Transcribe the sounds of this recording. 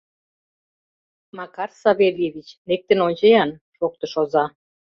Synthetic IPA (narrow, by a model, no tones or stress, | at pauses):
mɑkɑrsɑβelʲeβʲit͡ɕnek̚t̪ənonʲt͡ɕəjɑnʃok̚t̪ə̆ʃozɑ